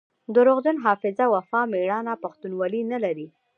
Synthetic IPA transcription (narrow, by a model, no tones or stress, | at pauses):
d̪əɾoɣd̪ʊnɦɑfɪzawafɑmeɽɑnapaxt̪unwɑlinalaɾi